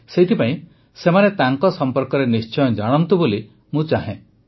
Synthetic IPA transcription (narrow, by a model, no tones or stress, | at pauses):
seit̪ʰipaĩ | semanet̪aŋkɔsɔmpɔɾkɔɾenist͡ʃɔjɔd͡ʒaɽ̃ɔnt̪uboli | mũt͡ʃaɦḛ̃